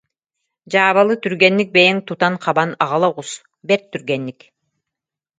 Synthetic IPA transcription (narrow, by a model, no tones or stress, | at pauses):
d͡ʑaːβalˠɯt̪yɾɡɛnːik̚bejɛŋt̪ut̪anqʰɑbanɑʁɑlˠaʁus | bɛɾt̪ːyɾɡɛnːik